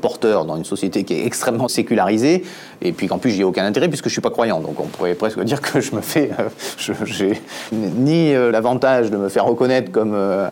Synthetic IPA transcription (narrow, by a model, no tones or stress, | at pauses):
pɔʁt̪œːʁd̪ɑ̃zynsɔsjet̪ekʲiɛ̰ɛkst̪χɛmːɑ̃sekʲylaʁize | epɥikɑ̃plysʒiɛokʲɛ̃nɛ̃t̪eʁɛp̬ɥisəkəʒəsɥipakχwajɑ̃d̪ɔ̰̃kɔ̰̃puʁɛpχɛskəd̪iʁkʰəʒəməfɛøʒ̥əʒeniølavɑ̃t̪aʒd̪əməfɛʁːəkɔnɛt̪χə̥kɔmø